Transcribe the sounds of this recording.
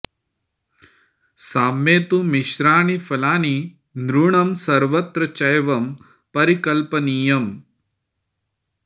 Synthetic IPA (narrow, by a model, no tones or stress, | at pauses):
saːmːeːt̪umiʃɾaːɳifɐlaːni | nɾuɳɐmsɐɾʋɐt̪ɾɐt͡ʃɐjʋɐm | pɐɾikɐlpɐniːjɐm